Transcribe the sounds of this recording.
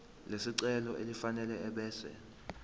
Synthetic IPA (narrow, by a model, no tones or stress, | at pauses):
lesiǀɛlɔʔelifanɛlɛɛɓɛːsɛ̰